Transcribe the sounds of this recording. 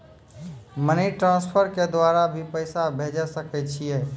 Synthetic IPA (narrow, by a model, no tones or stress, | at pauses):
məniʈɾãːnspʰəɾked̪waɾabʱipəɪsabʱeːd͡ʒəsəkɛt͡ʃʰijeː